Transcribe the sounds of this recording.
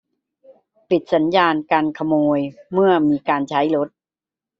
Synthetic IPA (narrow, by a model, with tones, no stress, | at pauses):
pi˨˩t̪̚sa˩˦njaː˧nkaː˧nkʰa˧moː˧jmɯ˥˩ɐmiː˧kaː˧nt͡ɕʰa˦˥jlo˦˥t̪̚